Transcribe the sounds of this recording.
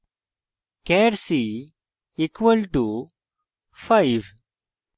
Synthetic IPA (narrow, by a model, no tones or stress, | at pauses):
kɛɾsi | ikʋəlʈu | faɪʋ